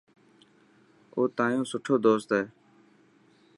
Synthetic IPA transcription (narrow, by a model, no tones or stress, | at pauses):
oːt̪ãːjõːsʊʈʰoːd̪oːst̪ɦeː